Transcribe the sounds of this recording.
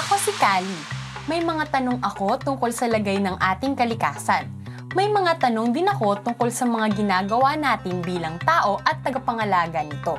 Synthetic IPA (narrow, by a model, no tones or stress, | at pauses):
ʔɐko̞sɪkaːli | mɐjmɐŋat̪ɐno̞ŋʔɐko̞t̪ʊŋko̞lsɐlɐɡajnɐŋʔaːt̪ɪŋkɐlɪkaːsɐn | mɐjmɐŋat̪ɐno̞ŋd̪ɪnɐko̞t̪ʊŋko̞lsɐmɐŋaɡɪnaːɡɐwanaːt̪ɪnbiːlɐŋt̪aːʔo̞ʔɐt̪ːɐɡɐpɐŋɐlaːɡɐnɪt̪o̞